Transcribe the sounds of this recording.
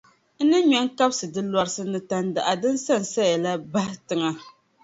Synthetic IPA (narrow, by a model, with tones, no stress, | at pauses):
n̩˦nɨ˦ɲɛ˦ŋ˦ka˦bsɨ˨dɨ˦la˦ɾsɨ˦nɨ˨ta˨n˦da˨ʔa˨dɨ˦n˦sa˦n˨sa˦ja˨la˦ba˦hɪ˦tɨ˦ŋa˦